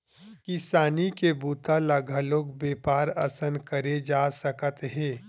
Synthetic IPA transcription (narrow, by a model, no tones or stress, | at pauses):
kɪsaːnikebuːt̪alaɡʱaloːɡbeːpaːɾɐsənkɐɾed͡ʒaːsɐkət̪ɦɛ̃ː